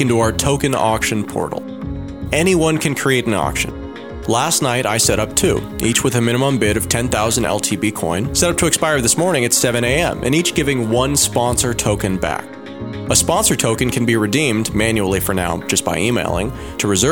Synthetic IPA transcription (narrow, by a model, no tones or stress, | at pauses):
ɨ̃ntɨaʊə˞tʰoʊkɨ̃nɑ̰kʃɨ̃npʰɔ̰ɹɾl̩ˠ | ɛñiwʌ̃nkʰɨ̃nkʰɹ̥ieɪɾ̃n̩ɑ̰kʃɨ̰̃n | læstⁿnaɪɾʔaɪsɛɾʌp̚tʰʉ̰ | ʔit͡ʃwɨðɨmɪ̃ñɨmə̃mbɪɾʌv̥tʰɛ̃nθaʊzn̩dɛ̰lˠtʰibikʰɔ̰̃ɪ̃nsɛɾʌp̚tʰɨɨkspaɪə˞ðɪsmɔɹnɪ̃ŋɨtsɛvɨ̃ñeɪɛ̰̃mʔɨ̰̃nit͡ʃɡ̥ɪvɪ̃ŋwʌ̃nspɑ̃nsə˞tʰoʊkɨ̃nbæ̰k̚ | əspɑ̃nsə˞tʰoʊkɨ̃nkʰɨ̃n̩biɹɨdĩmmæ̃njul̩ˠifə̰˞na̰ʊ̥d͡ʒʌsb̥aɪimḛɪlˠɪ̰̃ŋ | tʰɨɹɨzɜ